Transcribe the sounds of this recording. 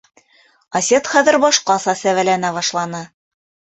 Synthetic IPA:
ɐsʲet̪χæðɘɾbɑʃqɑsɑsævælænæβɑʃlˠɑnɤ

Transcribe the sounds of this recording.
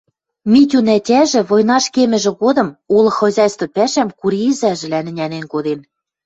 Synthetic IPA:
mʲit̪ʲunætʲæʒɘ̆βojnɑʃkemɘ̆ʒɘ̆ɣod̪ɤ̆mulɤ̆xŏzʲɑjst̪ŏpæʃæmkuɾiːzæʒɘ̆lænɘ̆nʲænenkod̪en

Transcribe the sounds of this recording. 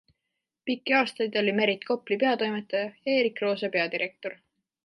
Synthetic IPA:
pikːˑiɑːst̪ɑjd̪̥o̞lʲime̞ɾit̪ko̞plipe̞ɑt̪o̞jmet̪ːˑɑjɑjɑe̞ːɾikro̞ːsepe̞ɑd̪iɾʔe̞k̚t̪o̞r

